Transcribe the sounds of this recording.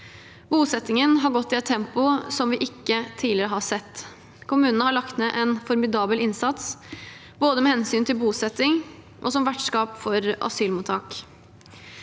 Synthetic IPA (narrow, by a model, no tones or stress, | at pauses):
buːsɛt̪ːɪŋənɦɑɾɡɔt̪ːɪɛt̪ʰːɛmpʊsɔmʋɪʔɪkːət̪ʰiːlɪɾəɦɑsɛt̪ː | kʰʊmʉːnənəhɑɭɑkt̪neːʔɛnfɔɾmɪd̪ɑːbəlɪnsɑt̪s | boːd̪əmɛːhɛnsyːnt̪ʰɪlbuːsɛt̪ːɪŋ | ʔɔ̰sɔmʋæʈʂkɑːpfɔɾʔɑ̰syːlmʊːt̪ʰɑːk